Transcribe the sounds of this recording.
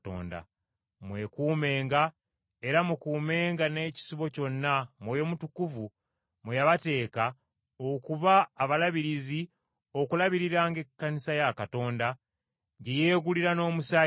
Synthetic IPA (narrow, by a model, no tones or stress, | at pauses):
to̰ːnda̰ | mwe̞kuːme̞ːŋɡa | e̞ɾamukuːme̞ːŋɡane̞ːci̥siβo̞co̞nːamwojo̞mutukuvu | mujaβate̞ːka | okuβaːβalaβiɾizi | o̞kulaβiɾiɾaːŋɡe̞kːanisajakato̞ːnda | ɲɟeje̞ːɡuliɾano̞ːmusa